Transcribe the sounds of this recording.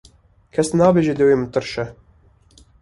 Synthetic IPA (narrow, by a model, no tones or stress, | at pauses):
kʰɛsnɑːbeːʒed̪ɨwemɨt̪ɨɾʃɛ